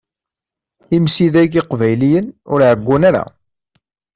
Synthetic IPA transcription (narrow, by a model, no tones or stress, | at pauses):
imsiðækɪqvæjlijənʊɾʕəɡʷːunaɾa̰